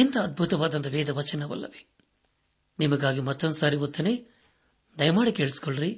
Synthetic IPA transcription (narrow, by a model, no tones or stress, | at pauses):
int̪ɐːd̪̚bʱut̪ɐʋaːd̪ɐnt̪ɐʋɛːd̪ɐʋɐt͡ʃɐnɐʋɐ̰lːɐ̰ʋe̥ | nimɐɡaːɡimɐt̪ːond̪usaːɾiot̪ːɐneː | d̪ɐjɐmaːɽikeːɭisi̥koɭɾi